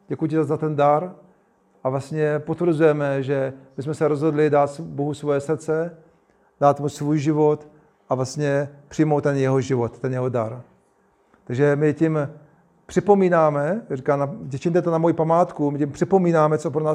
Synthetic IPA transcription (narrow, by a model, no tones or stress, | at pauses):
ɟɛkujucɪzazat̪ɛndaɾ | ʔavlastɲɛpot̪vr̩zujɛmɛʒɛmɪsmɛsɛɾo̞zɦo̞dlɪdaːt̪sboɦusvojɛsr̩t͡sɛ | d̥aːt̪musvuːjʒɪvo̞t̪ | ʔavlast̪ɲɛpr̥ɪjmowt̪ːɛnjɛɦoʒɪvot̪ːɛnjɛɦodaɾ | t̪aɡʒɛmɪcɪm | pr̥ɪpo̞miːnaːmɛrikaːnacɛt͡ʃɪmt̪̬ɛt̪onamojipamaːt̪kumɪcɪmpr̥ɪpo̞miːnaːmɛt͡sopɾonaː